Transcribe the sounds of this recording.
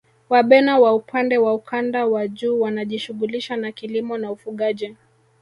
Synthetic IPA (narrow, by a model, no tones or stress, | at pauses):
waɓɛnawaupʰandɛwaukʰandawaʄuːwanaʄiʃuɣuliʃanakilimɔnaufuɠaʄi